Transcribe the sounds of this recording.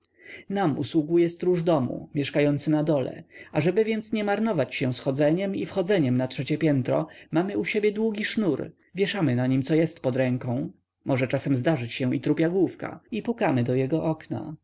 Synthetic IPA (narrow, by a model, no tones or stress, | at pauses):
namṵswuɡujɛst̪ɾuʐd̪ɔmṵmʲjɛʂkajɔnt̪sɘnad̪ɔlɛ̰aʐɛbɘvʲjɛnt̪sɲɛmaɾnɔvat͡ɕɕɛ̃sxɔd̪zɛɲɛmifxɔd̪zɛɲɛmnatʂɛt͡ɕɛpʲjɛnt̪ɾɔ̰mamɘuɕebʲjɛd̪wuɡʲiʂnuɾ | vʲjɛʂamɘnaɲimt̪sɔjɛst̪pɔd̪ɾɛŋkɔ̃w̃ | mɔʐɛt͡ʂasɛmzd̪aʐɘt͡ɕɕɛ̃it̪ɾupʲjaɡwufka̰ipukamɘd̪ɔjɛɡɔʔɔkna̰